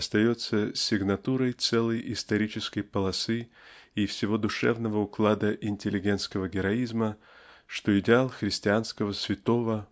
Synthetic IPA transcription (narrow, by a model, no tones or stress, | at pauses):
ɐst̪ɐjo̞t̪səsʲɪɡnɐt̪uɾəjt̪sɛlˠəjɪst̪ɐɾʲit͡ɕɪskəjpəlˠɐsɨ | ifsʲɪvo̞d̪ʊʂɛ̰vnəvəʊklˠad̪əʔɪnʲtʲɪlʲːɪɡʲe̞nt̪skəvəɡʲɪɾɐizmə | ʂt̪o̞ɪdʲɪalˠxɾʲɪsʲtʲɪanskəvəsvʲɪt̪o̞və